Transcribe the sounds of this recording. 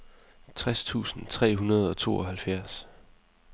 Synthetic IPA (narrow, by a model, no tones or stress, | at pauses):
t͡sʰʁast͡sʰṵːsn̩t͡sʰʁɛ̰ːɦunɐð̞ˠɒ̽t͡sʰo̝̰ːɒ̽ɦælfjæɐ̰s